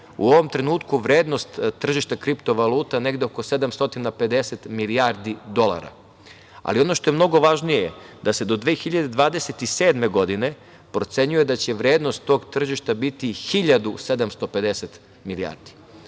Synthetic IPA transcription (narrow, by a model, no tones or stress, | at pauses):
uo̞ʋo̞mt̪ɾe̞nuːt̪kuʋɾeːd̪nost̪ːr̩ʒiʃt̪akɾipt̪o̞ʋalˠuːt̪ane̞ɡd̪eoko̞se̞d̪amst̪o̞t̪inape̞d̪e̞set̪miliaːɾd̪id̪o̞lˠa̰ɾa̰ | a̰lio̞no̞ʃt̪o̞jemno̞ɡo̞ʋaʒnijeed̪ase̞d̪o̞d̪ʋeːxiʎad̪e̞d̪ʋaːd̪eset̪iseːd̪me̞ɡo̞d̪ine̞ | pɾo̞t̪se̞ɲujed̪at͡ɕe̞ʋɾeːd̪nost̪ːo̞ːɡt̪ːr̩ʒiʃt̪abit̪ixiʎad̪use̞d̪amst̪ope̞d̪eset̪ | milia̰ːɾd̪i̥